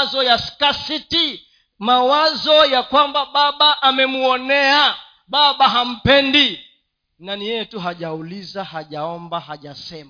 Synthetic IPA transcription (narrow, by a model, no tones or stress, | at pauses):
zɔjaskasiti | mawazɔjakwambaɓaɓaʔːmɛmuɔnɛa | ɓaɓaɦam̩pɛndi | nanijɛjɛtuɦaʄaulizahaʄaɔmbahaʄasɛma